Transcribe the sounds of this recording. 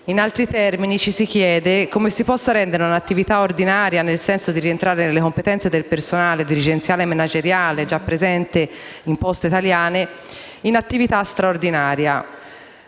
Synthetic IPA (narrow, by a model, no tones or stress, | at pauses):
inalt̪ɾit̪ɛrminit͡ʃisik̟jɛːd̪ekomesipɔsːaɾɛnd̪eɾeunat̪ːivit̪aord̪inaːɾjanelsɛnsod̪iɾient̪ɾaːɾenelːekompet̪ɛnt̪sed̪elpersonaːled̪iɾid͡ʒent̪sjaːlemenad͡ʒeɾjaːled͡ʒapːɾezɛnt̪eimpɔst̪eit̪aljaːne | inat̪ːivit̪ast̪ɾaord̪inaːɾja